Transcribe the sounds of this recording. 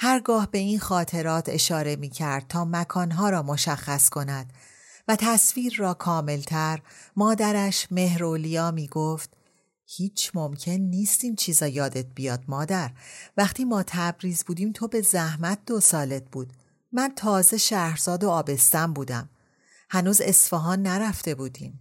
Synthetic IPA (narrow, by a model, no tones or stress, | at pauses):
hæɾɡɒːhbe̞inxɒːt̪ʰe̞ɾɒːt̪ʰe̞̰ʃɒːɾe̞miːcʰæɾd̪̥̚t̪ʰɒːmækʰɒːnɦɒːɾɒːmoʃæxːæskʰo̞næd̪̥ | væt̪ʰæsfiːɾːɒːkʰɒːme̞lt̪ʰæɾmɒːd̪æɾæʃme̞hɾolijɒːmiːɡoːft̪ | hiːt͡ʃʰmomcʰe̞nːiːst̪iːnt͡ʃʰiːzɒːjɒːd̪e̞t̪̚ʰbijɒːd̪̥̚mɒːd̪æɾvæχt̪ʰiːmɒːt̪ʰæbɾiːzbuːd̪iːmt̪ʰo̞be̞zæhmæt̪̚d̪̥o̞sɒːle̞t̪̚b̥uːd̪̥ | mænt̪ʰɒːze̞ʃæhhɾzɒːd̪o̞ɒːbe̞st̪æmbuːd̪æm | hænuːze̞sfɒɦɒːnːæɾæft̪e̞buːd̪iːm